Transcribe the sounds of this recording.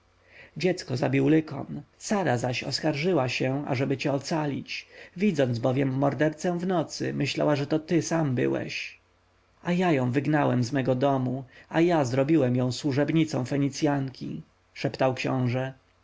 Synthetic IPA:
d͡ʑɛt̪skɔzabʲiwlɘkɔ̰nsaɾazaɕɔ̰skaɾʐɘwaɕɛa̰ʐɛbɘt͡ɕɛɔt̪salʲit͡ɕvʲid̪zɔnzbɔvjɛmːɔɾd̪ɛɾt̪sɛ̃vnɔt̪sɘ̰mɘɕla̰waʐɛt̪ɔt̪ɘsambɘ̰wɛ̰ɕ | ajajɔ̃w̃vɘɡnawɛmzmɛɡɔd̪ɔmuajazɾɔbʲiwɛmjɔ̃w̃swuʐɛbɲit̪sɔ̃w̃fɛɲit̪sʲjaŋkʲʰḭ | ʂɛpt̪awkɕɔ̰̃w̃ʐɛ

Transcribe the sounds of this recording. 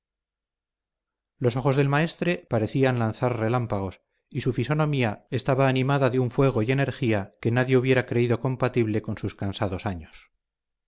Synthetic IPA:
lo̞s̬o̞χo̞zðe̞lmae̞st̪ɾe̞paɾe̞θianlanθarre̞lampaɣ̞o̞s | isufiso̞nõ̞miaest̪aβaːnimaðaðeuɱfwe̞ɣ̞o̞je̞ne̞ɾxiake̞naðje̞uβje̞ɾakɾe̞iðo̞ko̞mpat̪iβle̞ko̞nsuskansaðo̞saɲos

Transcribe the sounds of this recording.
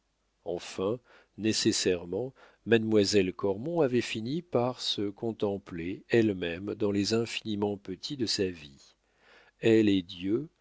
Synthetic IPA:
ɑ̰̃fɛ̃ | nesesɛʁmɑ̃ | mad̪mwazɛlkɔʁmɔ̃avɛfinipaʁsəkɔ̃t̪ɑ̃pleɛlmɛmd̪ɑ̃lezɛ̃finimɑ̃pət̪ʰid̪əsavi | ɛled̪jø

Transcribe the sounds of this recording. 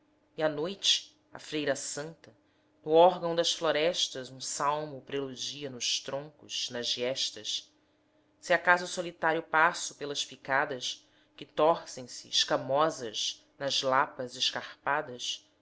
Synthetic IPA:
ianojt͡ʃɪ̥ | ɐ̰fɾejɾɐsɐ̃nt̪ɐ | nʊɔɾɡɐ̃w̃d̪ɐsfloɾɛʃt̪ɐzũsawmʊpɾelud͡ʒiɐnʊʃt̪ɾõŋkʊʃnɐzɛʃt̪ɐs | sɪakazʊsolit̪aɾjʊpasʊpelɐʃpikad̪ɐʃ | kɪt̪ɔhsẽj̃sɪɪʃkɐmɔzɐʃ | nɐzlapɐzɪʃkaχpad̪ɐs

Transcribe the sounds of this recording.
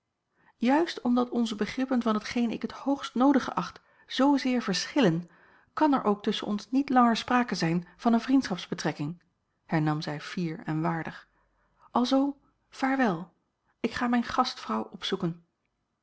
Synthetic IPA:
jœɥstɔmdɑtɔnzəbəχrɪpənvɑnɦətχejnɪ̰kɦəthowχstnowdəχə̰ʔɑχt | z̥owzɪːɹvəɹsχɪlən | kɑnɛ̰ɹʔowk̚tɵsə̰nʔɔnsnitlɑŋəɹspraːkəzɛjnv̥ɑnənvrintsχɑpzbətrɛkɪŋ | hɛɹnɑmzɛjfiːɹɛ̰nʋaːɹdəχ | ʔɑlˠzow | v̥aːɹʋɛlˠ | ɪkχaːmɛjnχɑstfrɑwʔɔpsukən

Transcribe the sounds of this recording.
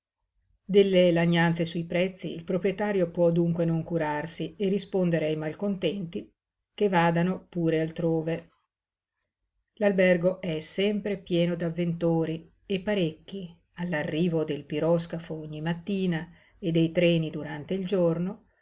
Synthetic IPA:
d̪elːelaɲːant̪sesujpɾɛt̪sːiːlpɾopɾjet̪aːɾjopwɔd̪uŋkwenoŋkuɾarsierːispond̪eɾeajmalkont̪ɛnt̪i | kevaːd̪anopuːɾealt̪ɾoːve | lalbɛrɡoʔɛsɛmpɾepjɛːnod̪avːent̪oːɾi | epːaɾekːi | alːarːiːvod̪elpiɾɔskafoɔɲːimat̪ːiːna | ed̪ːejt̪ɾɛːnid̪uɾant̪eild͡ʒorno

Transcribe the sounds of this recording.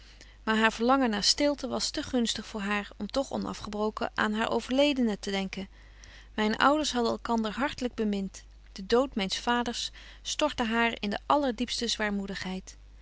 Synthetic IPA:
maːɹɦaːɹv̥əɹlɑŋənːaːɹstɪlˠtəʋɑstəχɵnstəχfʊːɹɦaːɹɔmtɔχɔ̰nɑ̰fχəbrowkə̰ʔa̰ːnɦaːɹʔo̰wv̥əɹlejdənətədɛŋkən | mɛjnə̰ʔʌwdəɹsɦɑdənɛlˠkɑndəɹɦɑɹtələɡ̚bəmɪnt | d̥ədowtmɛjnsfaːdəɹsː | tɔɹtəɦaːɹɪ̰ndə̰ʔɑləɹdipstəzʋaːɹmudəχɦɛjt

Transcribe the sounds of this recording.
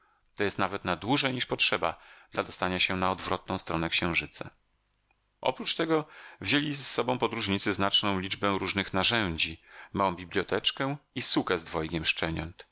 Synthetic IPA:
t̪ɔjɛst̪navɛt̪nad̪wuʐɛɲiʂpɔtʂɛba̰d̪̥lad̪ɔst̪aɲaɕɛnaɔd̪vɾɔt̪̚nɔ̃w̃st̪ɾɔnɛkɕɛ̃w̃ʐɘt̪sa̰ | ʔɔ̰pɾut͡ʂt̪ɛɡɔvʑelʲissːɔbɔ̃w̃pɔd̪ɾuʐɲit̪sɘznat͡ʂnɔ̃w̃lʲid͡ʐbɛ̃ɾuʐnɘxnaʐɛɲ̃d͡ʑimawɔ̃w̃bʲiblʲjɔt̪ɛt͡ʂkɛ̃isukɛzd̪vɔjkʲɛmʂt͡ʂɛɲɔnt̪

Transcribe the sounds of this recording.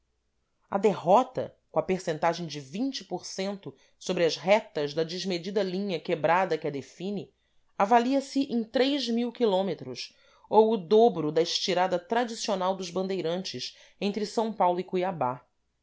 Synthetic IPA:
ɐ̰d̪eɦɔt̪ɐ̰kõɐpeɾsẽnt̪aʒẽj̃d͡ʒɪvĩɲt͡ʃɪ̥poɾsẽnt̪ʊ | sobɾɪɐʃɦɛt̪ɐʒd̪ɐd͡ʒɪʒmed͡ʒid̪ɐlĩɲɐkebɾad̪ɐkɪɐd̪efĩnɪ | avaliɐsɪʔẽj̃t̪ɾejʒmiwkilõmet̪ɾʊs | owʊd̪obɾʊd̪ɐɪʃt͡ʃiɾad̪ɐt̪ɾad͡ʒisionawd̪ʊzbɐ̃nd̪ejɾɐ̃nt͡ʃɪs | ẽnt̪ɾɪsɐ̃w̃pawlʊikujaba

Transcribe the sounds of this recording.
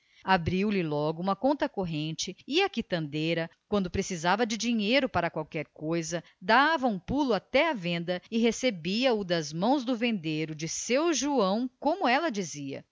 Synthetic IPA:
abɾiwlɪlɔɡʊũmɐkõnt̪ɐkoɦẽnt͡ʃɪɪɐkit̪ɐ̃nd̪ejɾɐkwɐ̃nd̪ʊpɾesizavɐd͡ʒɪd͡ʒiɲejɾʊpaɾɐkwawkɛɾkojzɐ | d̪avɐũpulʊat̪ɛɐvẽnd̪ɐɪɦesebiɐʊd̪ɐzmɐ̃w̃zd̪ʊvẽnd̪eɾʊd͡ʒɪsewʒuɐ̃w̃kõmʊɛlɐd͡ʒiziɐ̰

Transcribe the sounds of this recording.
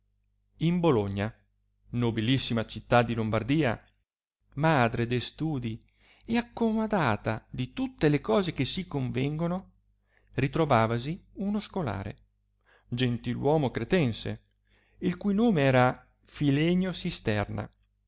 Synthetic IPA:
imboloɲːa | nobilisːimat͡ʃit̪ːad̪ːilombard̪iːa̰ | mad̪ɾed̪est̪uːd̪i | eakːomod̪aːt̪ad̪it̪ut̪ːelekɔːzek̟esːikoɱvɛŋɡono | rit̪ɾovaːvasiunoskola̰ːɾḛ | d͡ʒent̪ilwɔːmokɾet̪ɛnsḛ | ilkujnoːmeɛːɾa | filɛɲosist̪ɛrna̰

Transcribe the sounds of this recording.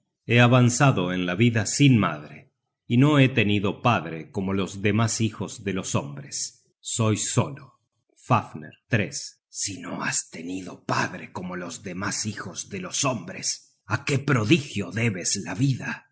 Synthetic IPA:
eaβansaðoenlaβiðasinma̰ðɾe | inoet̪e̞niðo̞paðɾeko̞molo̞zðe̞masixozðe̞lo̞sombɾesː | o̞jso̞lo | fafnḛɾt̪ɾesː | inoa̰st̪eniðo̞paðɾeko̞mo̞lo̞zðemasixozðelosombɾes | akepɾo̞ðixjo̞ðeβeslaβiða

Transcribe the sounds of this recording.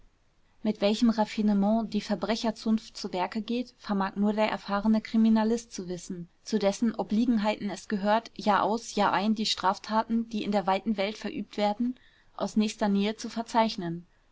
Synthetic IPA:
mɪtv̥ɛlçəmʁafinəmɑ̃ːdiːfɛɐbʁɛçɐt͡sʊnftt͡suːvɛɐkəɡeːtfɛɐmaːknuːɐdeːɐʔɛ̰ɐfaːʁənəkʁ̥iminalɪst̚t͡suvɪsn̩t͡sudɛsn̩ʔɔbliːɡŋ̩ɦaɪtn̩ɛsɡ̥əɦøːɐtjaːʔa̰ʊsjaːʔaɪndiːʃtʁ̥aːftʰaːtn̩d̥iːɪndeːɐvaɪtn̩vɛltfɛɐʔyːp̚tv̥eːɐdn̩ | ʔa̰ʊsnɛːçstɐneːət͡sufɛɐt͡saɪçnən

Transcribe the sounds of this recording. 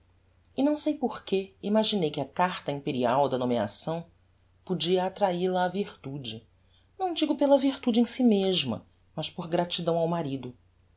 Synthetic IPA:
inɐ̃w̃sejpoɾkeimaʒinejkɪɐkaɾt̪ɐĩmpeɾiawd̪ɐnomia̰sɐ̃w̃ | pud͡ʒiɐːt̪ɾailɐːviɾt̪ud͡ʒɪ | nɐ̃w̃d͡ʒiɡʊpelɐviɾt̪ud͡ʒɪẽj̃simeʒmɐ̰ | mɐʃpoɾɡɾat͡ʃid̪ɐ̃w̃awmaɾid̪ʊ

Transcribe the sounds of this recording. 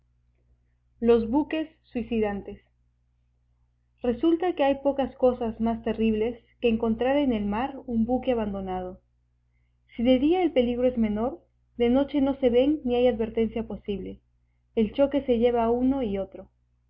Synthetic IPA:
lo̞zβuke̞sːwisiðant̪e̞s | re̞sult̪ake̞ajpo̞kasko̞sazmast̪e̞riβ̞le̞ske̞ːŋko̞nt̪ɾaɾene̞lmaɾumbuke̞aβand̪o̞nað̞o̞ | siðe̞ðiae̞lpe̞liɣɾo̞ezme̞no̞ɾ | d̪e̞no̞t͡ʃe̞no̞se̞βe̞nːiajaðβe̞ɾt̪e̞nsjapo̞siβle̞ː | lt͡ʃo̞ke̞se̞ʝe̞βauno̞io̞t̪ɾo̞

